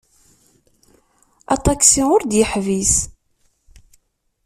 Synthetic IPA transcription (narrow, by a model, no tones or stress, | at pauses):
ɑ̰t̪ˤɑksiʊɾd̪jəħvis